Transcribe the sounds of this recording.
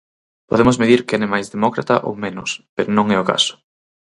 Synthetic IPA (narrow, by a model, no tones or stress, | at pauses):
po̰ðemʊzmeðiɾkɛnɪmajzðemɔkɾa̰t̪ɐʔo̰wmẽnʊ̰speɾonõŋɛoka̰sʊ̥